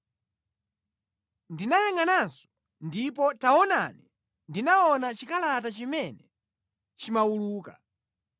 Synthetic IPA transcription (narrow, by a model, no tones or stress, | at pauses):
ndinajɛŋɡanansɔ̥ | ndipɔtaɔna̰ni | ndinaɔnat͡ʃikalaatat͡ʃimɛnɛ | t͡ʃimawuluːka